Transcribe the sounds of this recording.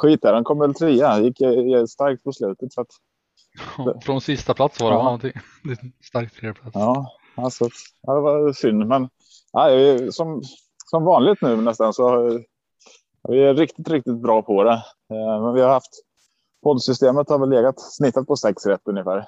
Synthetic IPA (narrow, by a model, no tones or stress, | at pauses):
ɧiːt̪æɾɛnkʰɔmːəɾvɛlt̪ʰɾiːajɪkːɛst̪aɾk̚t̪̚pʰɔslʉ̟ːt̪ət̪sat̪ | ɛfɾɔnsɪst̪apʰlat̪svadɛɔnt̪ʰɪŋ | d̪ɪst̪aɾk̚t̪ʰɾeplaɑː | sat̪ad̪ɛvɑsʏnːmɛn | ʔæɪsɔm | sɔmvɑːnlɪɡ̚t̪nʉ̟ːnɛst̪ansɔ | vɪæɾɪkt̪ɪt̪ɾɪk̚t̪ɪt̪̚bɾɑːpʰɔd̪ɛ | mɛnvɪhaɾhaft̪ | pʰɔd̪sʏst̪eːmət̪haɾvɛlːeːɡat̪snɪt̪ːat̪̚pʰɔsɛksɾɛt̪ːɵnjəfæːɾ